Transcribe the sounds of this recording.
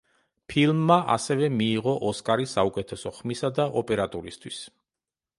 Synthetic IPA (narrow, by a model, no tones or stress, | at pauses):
pʰilˠmːaʔa̰sɛvɛmiːʁɔʔɔskʼaɾisaukʼɛt̪ʰɛsɔχmisad̪aʔɔpʼɛɾat̪ʼuɾist̪ʰwis